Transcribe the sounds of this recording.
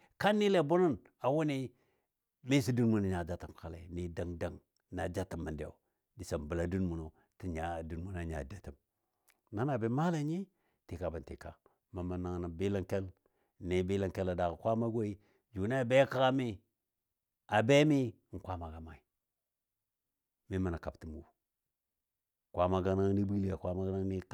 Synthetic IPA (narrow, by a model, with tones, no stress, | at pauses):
ka˦nːi˦le˨bu˦nu˦n | a˨wu˦ni˦ | mi˦si˦du˦nmu˨n˨ɲa˨d͡ʒa˦tə˨mka˨lḛ˨ni˨da˨ŋda˦ŋ | na˨d͡ʒa˦tə˨mːə˨ndḛ˨o̰˨ | di˨sa˨mbə˨la˨du˦nmu˨no˨ | ti˦ɲa˨du˨nmu˦na˨ɲa̰˨da˦ti˨m | na˦na˨be˦ma˦la˦ɲi˦ | ti˨ka˨bə˨ntḭ˨ka˨ | ma˨ma˨na˨ŋna˨be˦la˦ŋke˦l | ne˨˦bi˦la˨ŋke˦la˨da˨ɣkʷa˦ma˦ɡʷo˦i˦ | d͡ʒu˨na˦a˨be˦ka˦ɣa˦mi˦ | a˨be˦mi˦˨ | ŋ̩˨kʷa˦ma˨ɡa˨ma˨i˨ | mi˦ma˨na˨ka˨bti˦mu˨ | kʷa˦ma˨ɡa˦na˦ŋni˦bi˦li˦a˨kʷa˦ma˦ɡna˦ŋni˦